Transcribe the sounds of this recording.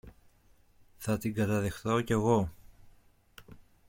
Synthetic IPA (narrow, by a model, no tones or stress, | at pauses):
θɐt̪iŋɡɐt̪ɐðe̞xθo̞ce̞ɣo̞